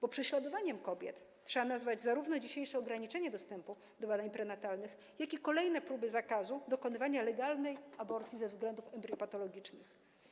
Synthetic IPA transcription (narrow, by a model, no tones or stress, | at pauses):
b̥ɔpʂɛɕlad̪ɔvaɲɛmkɔbʲjɛ̰t̪ | tʂɛbanazvad͡ʑzaɾuvnɔd͡ʑiɕejʂɛɔɡɾaɲit͡ʂɛɲɛd̪ɔst̪ɛmpu | d̪ɔbad̪aɲpɾɛnat̪alnɘx | jakʲikɔlɛjnɛpɾubɘzakazud̪ɔkɔnɘvaɲalɛɡalnɛjabɔɾt̪sʲjizɛvzɡlɛnd̪ufɛmbɾɔpat̪ɔlɔɡʲit͡ʂnɘx